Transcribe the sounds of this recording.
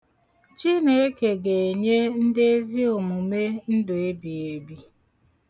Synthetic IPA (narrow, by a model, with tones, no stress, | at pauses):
t͡ʃi˦ne˨˦e˦ke˨ɡe˨e˨ɲe˦n̩˦de˦e˦zi˦o˨mu˨me˦n̩˦dʊ˨e˦bi˨e˦bi˦